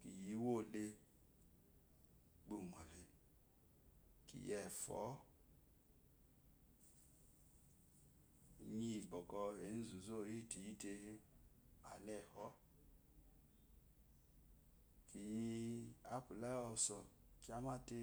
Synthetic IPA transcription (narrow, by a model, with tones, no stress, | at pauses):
ki˨ji˧˦wo˦˨le˧ | ɡ͡bu˧˨ŋɔ˨le˨ | kḭ˨jɛ˨fɔ̰˨˦ | ɲi˧˨bɔ˨kɔ˧e˨˦n̩˦zu˨zo˦˨ɾi˦˨ti˨ji˧te˧e˧ | a̰˨lɛ˨hɔ˨˦ | ki˨ji˧a˦pu˨la˦ɔ˧sɔ˨ | ki˦a˦ma˦te˧